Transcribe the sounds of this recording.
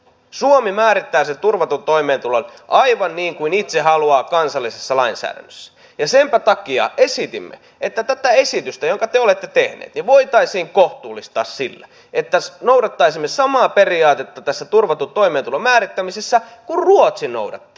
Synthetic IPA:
suomimæːɾit̪ːæːset̪urʋɑt̪ut̪oimeːnt̪ulonʔɑiʋɑnniːŋkuinit̪sehɑluɑːkɑnsɑlːisesːɑlɑinsæ̰ːɾæ̰nːøsːæ̥ | jɑsempæt̪ɑkiɑ̰esit̪imːḛ | et̪ːæt̪æt̪æesit̪yst̪æjoŋkɑt̪eolet̪ːet̪ehnḛːt̪niʋoit̪ɑisiːŋkoht̪uːlːˑist̪ɑ̰ːssilːæ | et̪ːæsnoudɑt̪ːɑisimːesɑmɑːperiɑːt̪et̪ːɑt̪æsːæt̪urʋɑt̪ut̪oimeːnt̪ulomæːrit̪ːæmisesːækurruot̪sino̰udɑ̰t̪ːiː

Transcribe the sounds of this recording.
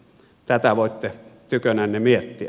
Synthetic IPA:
t̪æt̪æʋoˑet̪ːet̪ykønæˑːnnemiet̪ːiæ

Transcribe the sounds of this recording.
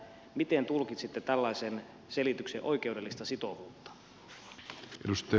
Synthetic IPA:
mit̪ent̪ulkit̪sit̪ːet̪ælːɑjsen | selit̪ykseʔo̞ik̟eude̞lːist̪ɑsit̪oʋuːt̪ːɑ̥ | ʔḛdust̪ɑ

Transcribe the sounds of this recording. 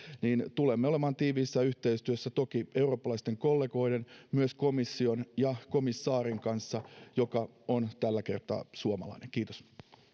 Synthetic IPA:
niːnt̪ulemːeo̞lemɑːnt̪iːʋiːsːæyht̪eist̪yøsːæt̪okie̞uro̞ːpːɑlɑist̪eŋko̞lːeɡo̞idenmyøskomisːionjɑkomisːɑːɾiŋkɑnsːɑjokɑont̪ælːæke̞̰rt̪ɑ̰ːsuomɑ̰lɑ̰ineŋkiːt̪os

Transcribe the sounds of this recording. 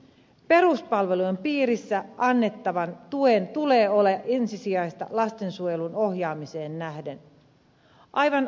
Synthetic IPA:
pe̞ɾuspɑlʋe̞lujempiːɾisːæɑnːe̞t̪ːɑʋɑnt̪uent̪ule̞ːo̞leʔensisiɑjst̪ɑ̰lɑst̪e̞nsuojeluno̞ɦjɑːmise̞ːnːæhde̞n | ʔɑjʋɑn

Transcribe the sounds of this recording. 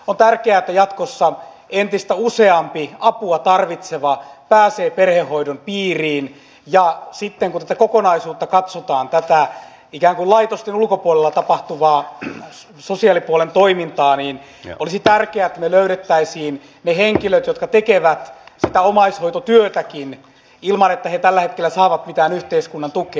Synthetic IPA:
ont̪ærkeæet̪ːæjɑt̪kosːɑ | ent̪ist̪æuseɑmpiɑpuɑt̪ɑrʋit̪seʋɑpæːseːperhehhoidonpiːriːn | jɑsit̪ːeŋkunt̪æt̪ækokonɑisuːt̪ːɑkɑt̪sot̪ɑːnt̪æt̪æ | ikæːŋkullɑit̪ost̪enulkopuolelːɑt̪ɑpɑht̪uʋɑː | sosiɑlipuolent̪oimint̪ɑːniːn | ʔolisit̪ærkeæet̪ːæneløyɾet̪ːæisiːn | neheŋkiløt̪jot̪kɑt̪ekeʋæt̪sit̪æomɑishoit̪ot̪yøt̪ækin | ilmɑnet̪ːæhet̪ælːæhet̪kelːæsɑːʋɑt̪mit̪æːnyht̪eiskunːɑnt̪ukeː

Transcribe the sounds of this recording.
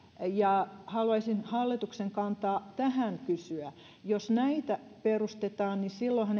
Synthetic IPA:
jɑhɑluɑisinhɑlːit̪ukseŋkɑnt̪ɑːt̪æhæŋkysyæ | josnæit̪æperust̪et̪ɑːnnisilːohæn

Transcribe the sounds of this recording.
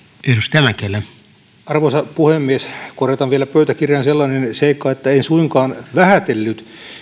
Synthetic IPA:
enust̪æmækelːæ | ɑrʋosɑpuhemːieskoret̪ɑʋʋielæpøyt̪ækirjɑnselːɑnenseikːɑet̪ːæeinsuiŋkɑːnʋæhæt̪elːyt̪

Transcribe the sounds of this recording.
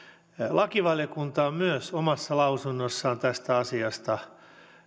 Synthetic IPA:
lʔɑkiʋɑljokunt̪ɑːmmyøsomɑsːɑlɑusunːosːɑːnt̪æst̪æɑsiɑst̪ɑ

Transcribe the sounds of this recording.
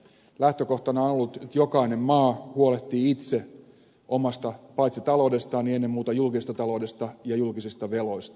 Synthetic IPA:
læht̪økoht̪ɑnɑonolːut̪et̪jokɑinemmɑːhuolet̪ːiːit̪se | ʔomɑst̪ɑpɑjt̪sit̪ɑloude̞st̪ɑːnienːemːmuːt̪ɑjulkisest̪ɑt̪ɑlowde̞st̪ɑjɑjulkisist̪ɑʋelo̞ist̪ɑ̥

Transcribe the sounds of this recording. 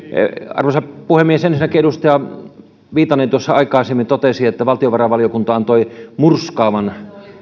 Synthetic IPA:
ɑ̰rʋosɑpuhemːiesensinːækieust̪ɑjɑ | ʋiːt̪ˑɑnint̪uosːɑɑikɑˑisemːint̪ot̪esiet̪ːæʋɑlt̪ioʋɑrɑʋɑliokunt̪ɑɑnt̪oimurskɑːʋɑn

